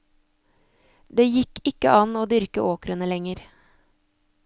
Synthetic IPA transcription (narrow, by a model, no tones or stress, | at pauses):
d̪eːjɪkʰɪkə̰ʔɑnoːd̪ʏɾkəʔoːkɾənəlɛŋəɾ